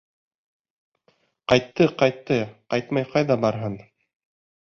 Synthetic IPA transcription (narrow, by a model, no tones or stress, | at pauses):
qɑjt̪ːɤqɑjt̪ːɤqɑjt̪mɑjqɑjðɑbɑɾɦɤn